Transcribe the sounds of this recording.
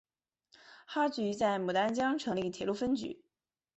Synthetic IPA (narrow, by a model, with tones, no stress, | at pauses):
xa˥t͡ɕy˧˥t͡sa˥˩ɪmu˨˩t̪a˥nt͡ɕjɑ˥ŋʈ͡ʂʰɤ˧˥ŋli˥˩t̪ʰjɛ˨˩lu˥˩fə˥nt͡ɕy̰˧˥˦